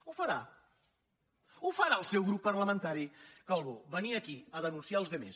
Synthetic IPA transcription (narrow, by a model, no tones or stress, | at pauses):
ufəɾa | ufəɾaəlˠsewɣɾupːəɾləmə̃nt̪aɾikalˠβoβəniəkiəðənunsialˠzðəmḛs